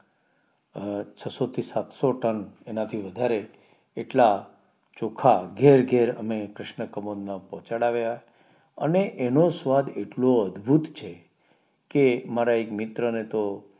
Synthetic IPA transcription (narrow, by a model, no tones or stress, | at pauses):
t͡ʃʰəsot̪ʰisat̪soʈənenat̪ʰiʋəd̪ʱaɾeː | ʈla | t͡ʃokʰaɡeɾɡeɾə̰mekɾɪʃɳəkəmod̪napɔt͡ʃaɽaʋja | ə̰neʔenosʋad̪eʈloəd̪bʱut̪t͡ʃʰe | kemaɾaekmɪt̪ɾənet̪o